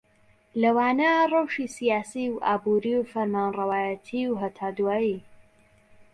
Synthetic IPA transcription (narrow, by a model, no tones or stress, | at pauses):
lɐwaːnɐrˤɐwʃisijaːsiwʔa̰ːbuɾiwfɐɾmaːnrɐwaːjət̪ʰiwɦɐt̪ʰaːd̪waːji